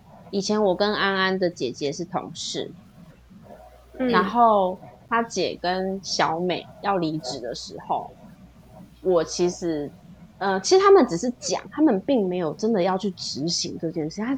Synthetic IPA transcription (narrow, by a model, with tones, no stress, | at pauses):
i˨˩t͡ɕʰjɛ˧˦˥nwɔ˨˩kə˦na˥na˥nd̪ə˨t͡ɕjɛ˨˩t͡ɕjɛ˧˦ʂɻ̩˥˩t̪ʰʊ̰˧˥ŋʂɻ̩̰˥˩ | na˧˥nxo˥˩ʊt̪ʰa˥t͡ɕjɛ̰˨˩kə˦˥nɕjɑ˧˦˥ʊme˨˩ɪjɑ˥˩ʊli˧˥ʈ͡ʂɻ̩˨˩d̪ə˨˩ʂɻ̩˧˥xo˥˨˩ʊ | wɔ˨˩t͡ɕʰi˧˥ʂɻ̩˧˥ | ə˧t͡ɕʰi˧˥ʂɻ̩˨˩t̪ʰa˥mə˨nʈ͡ʂɻ̩˨˩ʂɻ̩˥˩t͡ɕjɑ̰˨˩ŋt̪ʰa˥mə˨npi˥˩ŋme˧˥ɪjo˨˩ʊʈ͡ʂə˦˥nd̪ə˨jɑ˥˧ʊt͡ɕʰy˥˩ʈ͡ʂɻ̩˧˥˦ɕi˧˥ŋʈ͡ʂɤ˥˧t͡ɕjɛ˥˧nʂ̩˥˩˧